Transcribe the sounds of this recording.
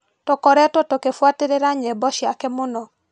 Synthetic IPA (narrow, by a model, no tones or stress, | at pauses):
tokɔɾɛtwɔtokefwateɾeɾaɲɛbɔʃjakɛmonɔ